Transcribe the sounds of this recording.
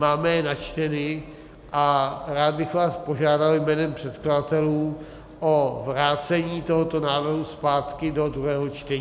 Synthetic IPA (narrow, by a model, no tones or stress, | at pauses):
maːmɛnat͡ʃt̪ɛnɪ | ʔaɾaːd̪̚bɪxvaːspo̞ʒaːdaljmɛːnɛmpr̥ɛt̪kladat̪ɛluː | ʔovɾaːt͡sɛɲiːt̪oɦot̪o̞naːvrɦuspaːt̪kɪdo̞d̪ɾuɦɛːɦo̞t͡ʃt̪ɛɲː